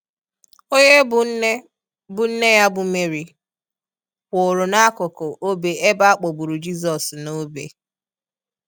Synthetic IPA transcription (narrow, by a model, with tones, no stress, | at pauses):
o˦ɲe˦bʊ˨˦e˦ | bʊ˨n̩˦ne˦ja˦bʊ˨me˨ɾi˨ | kʷo˨ɾʊ˨na˦a˦kʊ˨kʊ˨ʔo˦be˨ʔe˦ba˦a˦k͡po˨bu˨ɾu˨d͡ʒi˦z̬ɔ˨sno˦bḛ˨